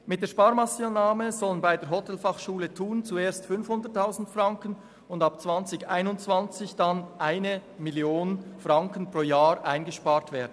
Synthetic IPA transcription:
mɪt̚d̥eːʃpaːɾmɑsiənaːməzɔlənbaɪdeːɐɦɔtʰɛlfɑχʃuːlətʰuːnt͡sueːɐstfʏnfhʊndətʰːaʊzn̩tfrɑŋkən | ʊndɑpt͡sv̥ɑnt͡sɪçaɪnʊnt͡sv̥ant͡sɪçd̥anʔaɪnəmiljoːnfʁɑŋkən̩pʁ̥oːjaːɾʔaɪnɡəʃpaːɾtveːɐdn̩

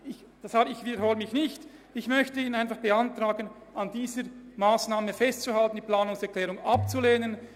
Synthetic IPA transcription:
ɪç | d̥ashaːbɪçviːdəɾhoːləmɪçnɪçt | ɪçmœçtəiːnaɪnfɑχb̥əantraːɡən | andiːzəɾmaːsnaːməfɛstt͡suhaltn̩d̥iːpl̥aːnʊŋsɛɐklɛːɾʊŋap̚t͡suleːnən

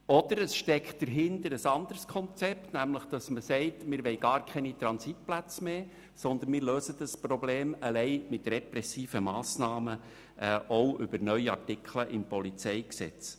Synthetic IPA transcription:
ɔd̥̪əɾəsʃtɛkχt̚d̥əɾɦɪndəɾəsɑnd̥̪əɾskʰɔnt͡sɛptnæmləχd̥ɑsməsɛɪtmɪɾʋɛɪɡɑːɾkʰɛnit̪ɾɑnsit̚plæt͡smeː | sɔnd̪ənmɪːɾløːsəd̪əsprɔbleːməlɛɪmɪt̪rɛpɾɛsiːfəmɑːsnɑːmə | ʔːʔowʔʏbəɾnœʏiɑ̰rtɪkʰχləʔɪmpɔlit͡sɛɪksɛ̰t͡s

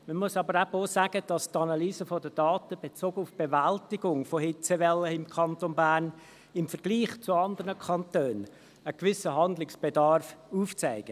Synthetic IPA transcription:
məmʊsɑbəɾæboːsæːɡ̥əd̥ɑstɑnɑlyːzəfɔdəd̥ɑːt̪əb̥et͡soːɡəʊfb̥evæltɪɡ̥ʊŋfɔheːt͡sevɛlːəɪmkʰɑntonbæːrn | ɪmfəɾɡ̥liːχt͡sʊɑnd̪əɾnəkʰɑntøːn | əkʋɪsəɦɑndlɪksb̥edɑɾfuːft͡sæɪɡ̥ə

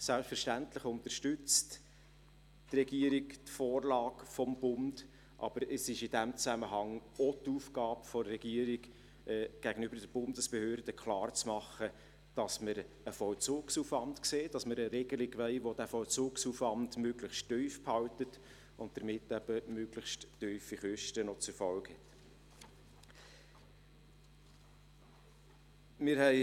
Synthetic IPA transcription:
sælpfəɾʃtæntləχʊnt̪əɾʃtʏt͡st | trɛɡiəɾiktfoːrlɑːɡfɔmb̥ʊnd̥ | ʔɑ̰b̥əɾəsɪʃɪd̥æmt͡sæməɦɑŋotuːfɡɑːpfɔːɛɡ̥iːəɾiɡ | ʔɛɡ̥æɡ̥ənʏbəɾd̥əɾb̥ʊndəsb̥əhøːɾd̥əkχlɑːrt͡smɑχːə | d̥ɑsməɾ | əfɔlt͡suːksufʋɑntkseːd̥ɑsməɾəɾɛɡ̥əlɪɡʋɛɪʋod̥æfɔlt͡suːksuːfʋɑndmøɡləχʃtːyɥfphɑwtət | ʊnt̚d̥əɾmɪtːæbəmøɡləχʃttːyɥfiχʏʃtənɔt͡sɛɾfɔlkhɛt | mɪɾhɛɪ

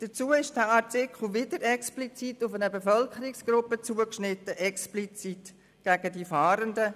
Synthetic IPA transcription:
d̥ət͡suːəɪʃd̥əɑtɪkχ̩ʋɪdəɾɛksplit͡sitʊfænəbefœlkʰəɾiksɡ̥ɾʊpːət͡suəkʃnɪtːəʔɛksplit͡sit | ɡ̥æɡədifɑːɾəndə

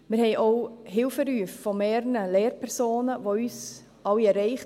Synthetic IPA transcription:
mɪɾhɛɪʔoʊɦɪlfəɾyːffɔmeːɾənəleːɾpʰɛɾsoːnəʋoyːs | ɑwiɛɾɛɪχ

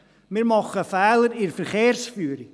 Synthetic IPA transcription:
mɪrmɔχəfɛlˠirfrχeːrsfuːɾi

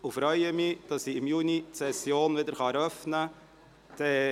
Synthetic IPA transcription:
ʊfɾœʏəmid̥ɑsiɪmjuːnitsɛsjoːnvɪdəɾχɑɛɾœfnə | d̥ɛ

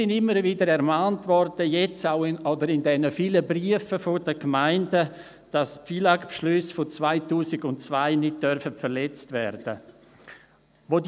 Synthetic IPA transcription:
ɪndɪmːəɾvidəɾɛɾmaːntvɔɾd̥əjɛt͡saʊɔdəɾɪndɛnəfiːləbɾiəfəfodəkmaɪndə | d̥ɑspfiːlakpʃlʏsfot͡svaɪtuːsɪɡʊnt͡svaɪnɪd̚d̥œɾfətfəɾlɛt͡stvɛ̰ɾd̥ə̰ | ʋod

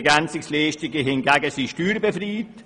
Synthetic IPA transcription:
ɡant͡sɪksleːʃtɪɡəɦɪnɡaːɡəsiʃtyːɾbefriːt

